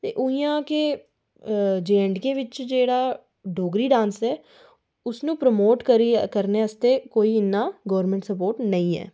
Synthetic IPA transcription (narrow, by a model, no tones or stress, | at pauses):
t̪eːʔʊijãːkeː | d͡ʒeːɛ̃ɳɖkẽːʋɪt͡ʃd͡ʒeːɽaː | ɖoːɡɾiːɖãːnsɛː | ʊsnũːpɾəmoːʈkəɾikəɾneːəst̪eːkoːiːɪnːaːɡəːɾmẽːɳʈsəpoːɾʈnəĩːɛ̰ː